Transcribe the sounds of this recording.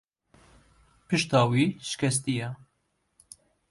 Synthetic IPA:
pɨʃt̪ɑːwiːʃɨ̥kʲɛs̬t̪ijɛ

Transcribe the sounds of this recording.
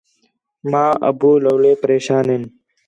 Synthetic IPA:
mãːʔə̰buːləːleːpəɾeːʃaːnɦeːn

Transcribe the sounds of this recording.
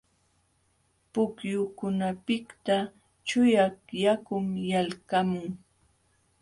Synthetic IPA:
pʊkjʊkʊnapɪkt̪a | t͡ʃʊjakjakʊmjalkamʊŋ

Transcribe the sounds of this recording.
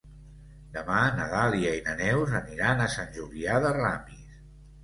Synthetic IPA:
d̪əmanəðaliəinənɛwzəniɾanəsanʲʒuliaðəramis

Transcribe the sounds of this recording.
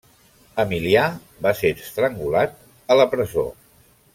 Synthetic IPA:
əmilia | basest̪ɾəŋɡulat̪̚ | ələpɾəzo̰

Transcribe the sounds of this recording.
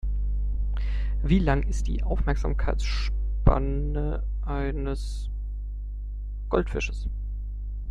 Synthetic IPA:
viːlaŋʔɪst̚d̥ḭːʔaʊfmɛɐkz̥a̰ːmkʰaɪt͡sʃpa̰nə | ʔaɪnəs | ɡ̥ɔ̰ltfɪʃəs

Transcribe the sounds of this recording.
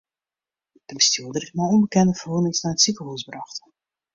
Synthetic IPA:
d̥əbəstuədərɪtmaɔnbəkɛndəfərɦunɪŋsnaətsikəɦusbrɑxt

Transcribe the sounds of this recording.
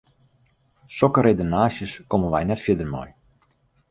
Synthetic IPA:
sɔkəɾejdənaːsjəskomənʋɛjnɛtfjɪdərmɔ̰j

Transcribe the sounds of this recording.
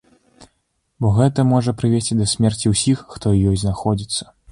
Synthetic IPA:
bɔɣɛt̪ɐmɔʐɐpɾɨvʲesʲt͡sʲid̪ɐsʲmʲɛrt͡sʲiwsʲixːt̪ɔjɔjznaxɔd͡zʲit̪sːɐ̥

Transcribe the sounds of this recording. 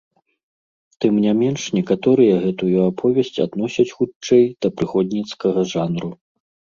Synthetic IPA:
t̪ɨmnʲamʲɛnʂnʲɛkat̪ɔɾɨjɐɣɛt̪ujuapʰɔvʲɛsʲt͡sʲa̰d̪nɔsʲɐt͡sʲxut͡ʂɛjd̪̥ɐpɾɨxɔd̪ʲnʲit̪skɐɣɐʐanɾu

